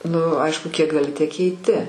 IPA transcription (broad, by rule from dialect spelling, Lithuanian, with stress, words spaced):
nʊ ˈɐɪʃkʊ kʲiɛk ɡɐˈlʲɪ tʲiɛk kʲɛɪˈtʲɪ